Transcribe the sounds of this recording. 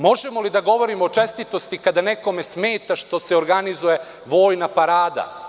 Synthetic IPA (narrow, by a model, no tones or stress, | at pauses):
mo̞ʒemo̞lid̪aɡo̞ʋo̞ɾimoot͡ʃe̞st̪it̪o̞st̪ikad̪ane̞ko̞me̞smeːt̪aʃt̪o̞seoɾɡanizuje̞ | ʋo̞ːjnapaɾaːd̪a̰